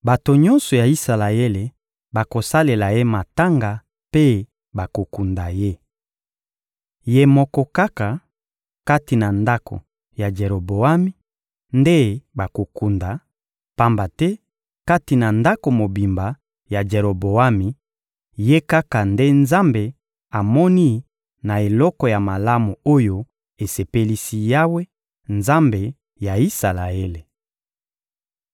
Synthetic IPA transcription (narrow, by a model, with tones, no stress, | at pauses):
ba˨to˨ɲɔ̃˦nsɔ˨ja˨i˦sa˨la˨e˦le˨ | ba˨ko˨sa˦le˨la˨je˦ma˨ta˦ŋɡa˨ | pe˦ | ba˨ko˨ku˨nda˨je˦ | je˦mɔ˦kɔ˦ka˦ka˨ | ka˦ti˨na˨nda˦kʰo̰˨ | ja˨d͡ʒe˨ɾo˨bo˨a˦mi˦ | nde˦ba˨ko˨ku˨nda˨ | pa˦mba˨tɛ˦ | ka˦ti˨na˨nda˦ko˨mo˨bi˨mba˨ | ja˨d͡ʒe˨ʁo˨bo˨a˦mi˨ | je˦ka˦ka˨nde˦nza˦mbe˨ | a˨mɔ˦ni˦ | na˨e˨lɔ˦kɔ˨ja˨ma˨la˦mu˨o˦jo˦ | e˨se˨pe˦li˦si˦ja˦we˦ | nza˦mbe˨ | ja˨i˦sa˨la˨e˦le˨